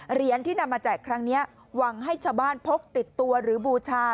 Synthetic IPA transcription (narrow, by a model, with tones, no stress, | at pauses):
ɾi˩˦ənt̪ʰiː˥˩na˧mːaː˧t͡ɕaː˨˩kkʰɾa˦˥ŋni˦˥ɐ | wa˨˦ŋɦa˥˩jt͡ɕʰaː˧˩wbaː˥˩npʰo˦˥k̚t̪i˨˩t̪ːu˧ɐɾɯː˩˦buː˧t͡ɕʰaː˧